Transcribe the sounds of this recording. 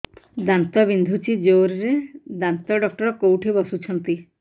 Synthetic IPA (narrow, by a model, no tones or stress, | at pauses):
d̪ant̪ɔbind̪ʱut͡ʃid͡ʒoɾɾed̪ant̪ɔɖɔk̚ʈɔɾɔkowʈʰibɔsut͡ʃʰɔnt̪i